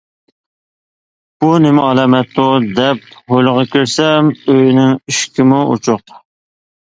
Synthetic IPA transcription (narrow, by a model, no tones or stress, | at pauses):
b̥unɪmɪɑlˠɛmɛt̪ːʊd̪ɛp̚hojlˠəʁɑkʲʰiɾsɛmøjnɪŋiʃkʲimuʔṵt͡ʃʰʊq